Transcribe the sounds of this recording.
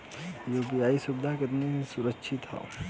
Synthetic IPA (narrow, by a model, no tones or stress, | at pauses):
joːbijaːisʊbd̪ʱakɐɾnemẽsʊɾəkːʃʰɪt̪a̰